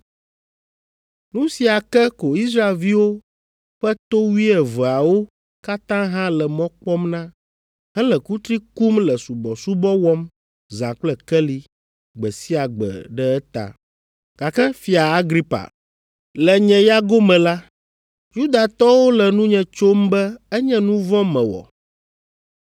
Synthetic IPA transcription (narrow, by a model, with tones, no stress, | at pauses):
nũ˦si˨a˨kɛ˦ko˨i˦s̬ɾa˦e˨lvi˦wo˦ | ɸɛ˦t̪o˦wi˦ɛ˨və˨a˨wo˦ | ka˦t̪ã˦ɦã˦lɛ˨mɔ̃˦k͡pɔ˦mnã˦ | ɦɛ˦lɛ˨ku˦t̪ɾi˦ku˦mlɛ˨su˨bɔ˨su˦bɔ˦wɔ˦m | zã˨k͡plɛ˦kɛ˦li˦ | ɡ͡bɛ˨si˦a˨ɡ͡bɛ̰˨ɖɛ˦ɛ˦t̪a̰˨ | ɡ̥a˨kɛ˦fi˨a˨a˦ɡɾi˦pa̰˨ | lɛ˨ɲɛ̃˨ja˦ɡo˦mɛ̃˨la˦ | ju˦d̪a˨t̪ɔ˦wo˦lɛ˨nũ˦ɲɛ̃˨t͡ʃo˦mbɛ˦ɛ˦ɲɛ̃˦nũ˦vɔ̃˦mɛ̃˨wɔ̰˨